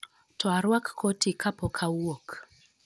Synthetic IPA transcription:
tɔaɾwakːʰotʰikapɔkʰawok

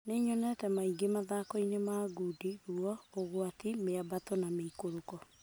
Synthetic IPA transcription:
neɲɔnɛtɛmaiɡemaðaːkɔinemaɡudiɣuɔoɣwatimeabatɔnameikoɾokɔ

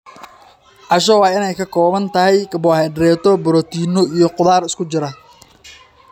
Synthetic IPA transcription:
ʕɑʃ̬ɔwɑːɪnɛjkʰɐkʰɔːβɐnt̪ʰɐɦɛjkɐbɔːhɛɖɾɛːt̪ʰɔbɔɾɔt̪ʰiːnɔijɔqʊðaːɾɪskʰʊt͡ʃɪɾɐ

